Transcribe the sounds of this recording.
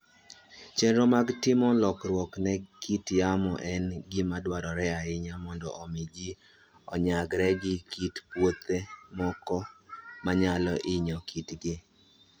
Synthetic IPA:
t͡ʃenɾɔmaɡtɪmɔlɔkrwɔknɛkʰitjamɔʔɛnɡɪmadwaɾɔɾɛaɪɲamɔndɔ̰ʔɔmɪd͡ʒɪ | ɔɲaɡɾɛɡɪkitpwot̪emɔkɔmaɲalɔʔɪɲɔkʰitɡɪ

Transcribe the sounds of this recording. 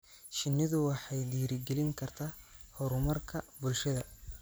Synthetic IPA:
ʃɪnːɪðʊwɑħɑjd̪iːɾɪɡɛlɪŋkʰɐrt̪ʰaːhɔɾʊmɐrkʰɐbʊlʃɐðɐ

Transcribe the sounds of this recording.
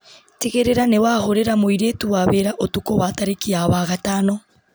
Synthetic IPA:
teɣeɾeɾanewaːhoɾeɾamoiɾetuwaβeɾaʔotukowataɾekiawaɣataːno

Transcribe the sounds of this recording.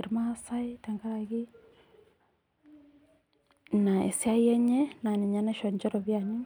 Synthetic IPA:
ɾimasaitaŋɡaaɣi | naḛsiaiɛɲɛnaniɲanɛʃɔɲd͡ʒɔɾɔβjani

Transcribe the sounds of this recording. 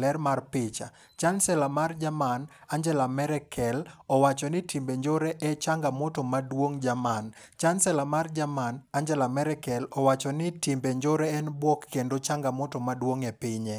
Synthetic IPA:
lɛrmarpɪt͡ʃa̰ | t͡ʃansɛlamard͡ʒamanaɲd͡ʒɛlamɛɾɛkʰɛlɔwat͡ʃɔnɪtʰimbeɲd͡ʒoɾɛʔɛt͡ʃaŋɡamɔtomadwoŋd͡ʒaman | t͡ʃansɛlamard͡ʒamanaɲd͡ʒɛlamɛɾɛkɛlɔwat͡ʃɔnɪtimbeɲd͡ʒoɾɛɛnbwɔkːendot͡ʃaŋɡamɔtɔmadwoŋɛpɪɲɛ

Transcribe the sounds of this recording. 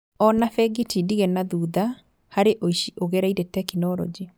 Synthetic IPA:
ɔnafɛɡitidiɣenaðuːða | haɾeʔoiʃiʔoɣeɾaiɾetɛkinɔɾɔ̰d͡ʒi

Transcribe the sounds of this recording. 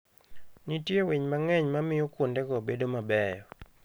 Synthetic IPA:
nitjewiɲmaŋɛɲmamɪjɔkwondɛkobedomabɛjɔ

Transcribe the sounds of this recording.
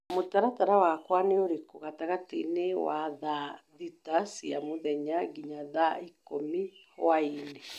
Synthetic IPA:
motaɾataɾawakwaneoɾekoɣataɣatḛnewaðaðitasiamoðɛɲaɡiɲaðaikomiwaine

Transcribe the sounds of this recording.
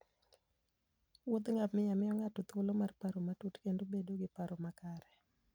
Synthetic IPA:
wod̪ŋapmɪjamɪɔŋatot̪olomarpaɾomatutkendobedoɡɪpaɾomakaɾɛ

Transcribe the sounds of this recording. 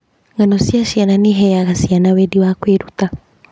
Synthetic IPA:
ŋɡanosjaʃjananiɦɛjaɣasianawɛdiwakweɾut̪a

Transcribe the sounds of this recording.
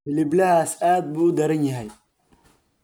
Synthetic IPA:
ɪliblɐhaːsaːd̪̚buːʊd̪ɐɾɐnjɐɦɛj

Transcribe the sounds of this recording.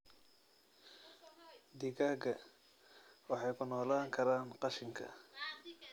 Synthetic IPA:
d̪ɪɣaːɡɐ | wɑħɑjkʰʊnɔːlaːŋkʰɐɾaːnqɑʃɪŋkʰɐ̰

